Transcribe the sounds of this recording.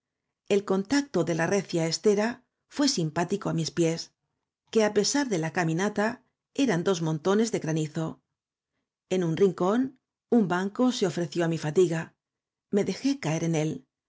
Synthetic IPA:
e̞lko̞nt̪ak̚t̪o̞ðe̞lare̞θjaest̪e̞ɾa | fwe̞simpat̪iko̞amispje̞s | ke̞ape̞saɾðe̞lakamĩnat̪a | e̞ɾand̪o̞zmõ̞nt̪o̞ne̞zðe̞ɣɾaniθo̞ | e̞nunriŋko̞n | umbaŋko̞seo̞fɾe̞θjo̞amifat̪iɣa | me̞ðe̞xe̞kaeɾe̞ne̞l

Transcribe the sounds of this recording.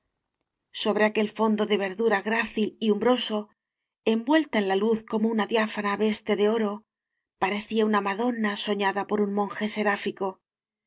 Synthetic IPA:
so̞βɾe̞ake̞lfo̞nd̪o̞ðe̞β̞e̞ɾðuɾaɣɾaθiliumbɾo̞so̞ | embwe̞lt̪aenlaluθko̞mounaðjafanaβe̞st̪e̞ðe̞o̞ɾo̞ | paɾe̞θiaunamaðo̞naso̞ɲaðapo̞ɾunmõ̞ŋxe̞se̞ɾafiko̞

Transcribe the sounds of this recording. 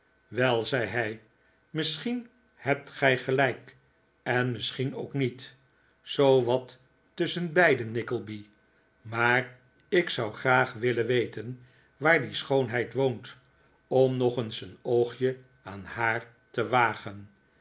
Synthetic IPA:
ʋɛlˠzɛjɦɛj | mɪsχin | hɛp̚tχɛjχəlɛjk | ɛnmɪsχino̰wknit | z̥owʋɑtː | ɵsənbɛjdənːɪkəlˠbi | maːr | ɪksɑwχraːχʋɪlənʋejtən | ʋaːɹdisχownɦɛjtʋownt | ɔmnɔχənsənowχjə | aːnhaːɹ | təʋaːχən

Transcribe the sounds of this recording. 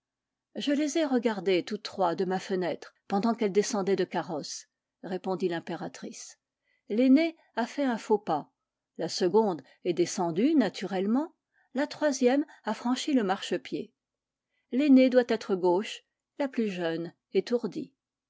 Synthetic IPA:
ʒəlezɛʁəɡaʁd̪et̪ut̪ːχwad̪əmafənɛt̪χpɑ̃d̪ɑ̃kɛld̪esɑ̃d̪ɛd̪əkaʁɔs | ʁepɔ̃d̪ilɛ̃peʁat̪χis | lene | afɛɛ̃fopa | lasəɡɔ̃d̪ | ɛd̪esɑ̃d̪ynat̪ʰyʁɛlmɑ̃ | lat̪χwazjɛmafχɑ̃ʃiləmaʁʃəpjḛ | lened̪wat̪ɛt̪χəɡoʃ | laplyʒœn | et̪uʁd̪i

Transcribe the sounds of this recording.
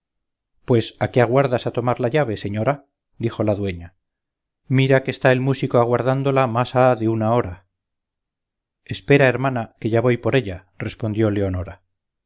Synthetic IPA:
pwe̞sakeaɣwaɾðasat̪o̞maɾlaʎaβe̞se̞ɲo̞ɾa | d̪ixo̞laðwe̞ɲa | miɾakest̪ae̞lmusikoaɣ̞waɾðand̪o̞lamasaðeunao̞ɾa | e̞spe̞ɾae̞ɾmanake̞ʝaβojpo̞ɾe̞ʎa | re̞spond̪jo̞le̞o̞no̞ɾa

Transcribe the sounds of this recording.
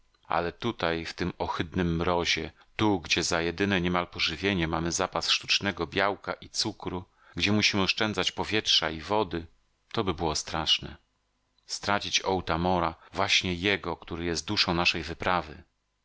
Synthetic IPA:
a̰lɛt̪ut̪ajft̪ɘmɔxɘd̪nɘmːɾɔʑɛ | t̪uɡd͡ʑɛzajɛd̪ɘnɛɲɛmalpɔʐɘvʲjeɲɛmamɘzapasʂt̪u̥t͡ʂnɛɡɔbʲjawkaʔit̪sukɾu | ɡd͡ʑɛmuɕimɘɔʂt͡ʂɛnzat͡ɕpɔvʲjɛtʂaivɔd̪ɘ | t̪ɔbɘbɘwɔst̪ɾaʂnɛ̰ | st̪ɾat͡ɕit͡ɕɔwt̪amɔɾavwaɕɲɛjɛɡɔkt̪uɾɘjɛst̪̚d̪uʂɔ̃w̃naʂɛjvɘpɾavɘ̰

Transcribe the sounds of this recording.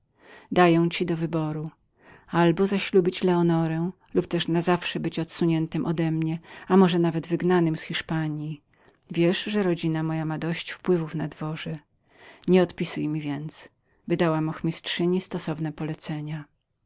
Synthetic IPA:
d̪ajɛw̃t͡ɕid̪ɔvɘbɔɾu | albɔzaɕlubʲit͡ɕlɛɔnɔɾɛ̃ | lupt̪ɛʂnazafʂɛbɘt͡ɕɔt̪suɲɛnt̪ɘmʔɔd̪ɛmɲɛamɔʐɛnavɛd̪vɘɡnanɘmsxʲiʂpaɲji | vʲjɛʂʐɛɾɔd͡ʑinamɔjamad̪ɔɕt͡ɕfpwɘvufnad̪vɔʐɛ | ɲɛɔt̪pʲisujmʲivʲjɛnt̪s | vɘd̪awamɔxmʲistʂɘɲist̪ɔsɔvnɛpɔlɛt̪sɛɲa

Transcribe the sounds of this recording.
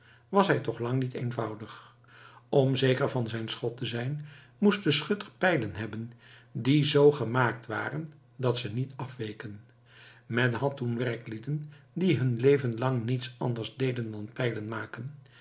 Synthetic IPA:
ʋɑsɦɛjtɔχlɑŋnitejnvɑwdəχ | ɔmzejkəɹvɑnzɛjnsχɔtəzɛjn | must̚dəsχɵtəɹpɛjlənɦɛbəndizowχəmaːk̚tʋa̰ːrən | dɑtsənitɑfʋejkən | mɛnɦɑtunʋɛɹklidəndiɦɵnlejvənlɑŋnitsɑ̰ndəɹzdejdəndɑnpɛjlənmaːkən

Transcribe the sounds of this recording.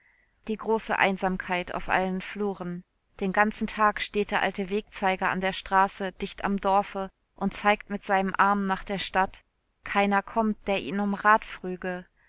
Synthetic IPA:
d̥iːɡʁoːsə̰ʔa̰ɪnzaːmkʰaɪtʰa̰ʊfʔa̰lənfluːʁən | d̥eːnɡant͡sn̩tʰaːkʃteːt̚d̥eːɐʔaltəveːk̚t͡saɪɡɐa̰ndeːɐʃtʁ̥aːsəd̥ɪçta̰mdɔɐfə | ʔʊntt͡saɪktmɪtz̥aɪnəmʔaɐmnaːχd̥eːɐʃtat | kʰaɪnɐkʰɔmt̚d̥eːɐʔiːnʊmʁaːtfʁ̥yːɡə

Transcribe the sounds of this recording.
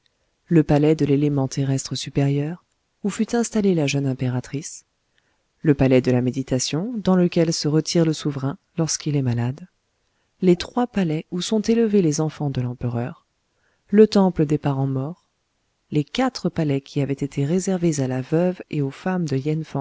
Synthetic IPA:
ləpalɛd̪əlelemɑ̃t̪ʰeʁɛst̪χəsypeʁjœʁ | ufyt̪ɛ̃st̪alelaʒənɛ̃peʁat̪χis | ləpalɛd̪əlamed̪it̪asjɔ̃d̪ɑ̃ləkʲɛlsəʁət̪ʰiʁləsuvʁɛ̃ | lɔʁskilɛmalad̪ | let̪χwapalɛusɔ̃t̪eləvelezɑ̃fɑ̃d̪əlɑ̃pəʁœʁ | lət̪ɑ̃pləd̪epaʁɑ̃mɔːʁ | lekat̪χəpalɛkʲʰiavɛt̪et̪ʰeʁezɛʁvezalavœveofamd̪əjɛnfɑ̃

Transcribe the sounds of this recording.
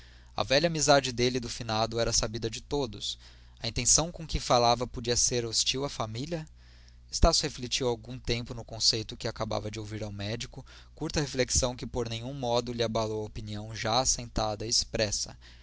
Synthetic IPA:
ɐ̰vɛʎɐamizad͡ʒɪd̪elɪd̪ʊfinad̪ʊɛɾɐsabid̪ɐd͡ʒɪt̪od̪ʊs | ɐĩnt̪ẽsɐ̃w̃kõkɪfalavɐpod͡ʒiɐseɾost͡ʃiwɐfamiljɐ | ɪst̪asʊheflet͡ʃiwawɡũt̪ẽmpʊnʊkõsejt̪ʊkɪakaba̰vɐd͡ʒɪowviɾawmɛd͡ʒikʊ | kuɾt̪ɐhefleksɐ̃w̃kɪpoɾnẽjɲũmɔd̪ʊlɪabalowɐopiniɐ̃w̃ʒaːsẽnt̪ad̪ɐɪːspɾɛsɐ̰

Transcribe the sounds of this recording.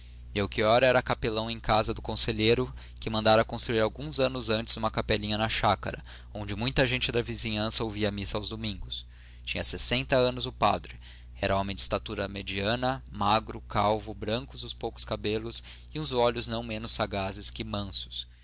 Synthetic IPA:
mewkiɔɾɐɛɾɐkapelɐ̃w̃ẽj̃kazɐd̪ʊkõseʎejɾʊ | kɪmɐ̃nd̪aɾɐkõst̪ɾuiɾawɡũzɐ̃nʊzɐ̃nt͡ʃɪ̥zũmɐkapɛlĩɲɐnɐʃakɐ̰ɾʔɐ | õnd͡ʒɪmũj̃t̪ɐʒẽnt͡ʃɪd̪ɐvizĩɲɐ̃sɐowviɐmisɐawzd̪omĩŋɡʊs | t͡ʃĩɲɐsesẽnt̪ɐɐ̃nʊzʊpa̰d̪ɾɪ | ɛɾɐõmẽj̃d͡ʒɪst̪at̪uɾɐmed͡ʒiɐ̃nɐmaɡɾʊkawvʊbɾɐ̃ŋkʊzʊspowkʊ̥skabelʊs | ɪũzɔʎʊznɐ̃w̃mẽnʊsːaɡazɪskɪmɐ̃sʊ̥s

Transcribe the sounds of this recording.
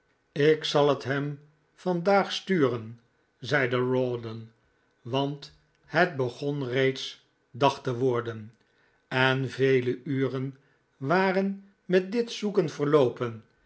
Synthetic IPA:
ɪksɑlˠətɦɛm | fɑndaːχstyːrən | zɛjdəɹoːdən | ʋɑnt | həd̚bəχɔnrejts | dɑχtəʋʊːɹdən | ɛnvejləyːrən | ʋaːrən | mɛt̚dɪtsukənvəʁlowpən

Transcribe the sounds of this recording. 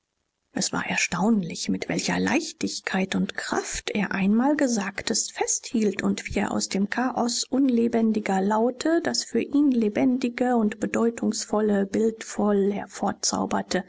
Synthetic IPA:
ʔɛsv̥a̰ɐʔɛɐʃtaʊnlɪçmɪtv̥ɛ̰lçɐ̰la̰ɪçtɪçkʰaɪtʊntkʁ̥a̰ftʔeːɐʔaɪnmaːlɡəzaːktʰəstfɛsthiːltʰʊntv̥iːeːɐʔa̰ʊsd̥eːmkʰaːʔɔsʔʊnlebɛndɪɡɐlaʊtʰəd̥asfyːɐʔiːnlebɛndɪɡəʊntb̥ədɔʏtʰʊŋsfɔləbɪltfɔlhɛɐfoːɐt͡sa̰ʊbɐtʰə

